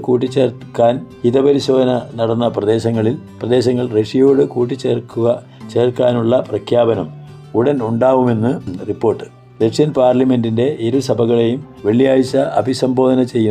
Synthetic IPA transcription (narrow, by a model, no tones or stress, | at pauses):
kuːʈːit͡ɕːeːrkːaːniðɐpɐɾiɕo̞ːd̪ʱɐnɐnɐɽɐnːɐprɐd̪e̞ːɕɐŋːɐɭilprɐd̪e̞ːɕɐŋːɐɭreʂijoːɽɨkuːʈːit͡ɕːeːrkːuɣɐ | t͡ɕe̞ːrkːaːnuɭːɐprɐkʰjaːbɐnɐm | uɽɐnuɳɖaːʋume̞nːɨripːo̞ːrʈːɨ̥ | re̞ʂijɐnpaːrlɐme̞ndinde̞ʔeɾusɐbʱɐɣɐɭe̞jum | ʋeɭijaːjit͡ɕːɐʔɐ̰bʱisɐmbo̞ːd̪ɐnɐt͡ɕe̞jːu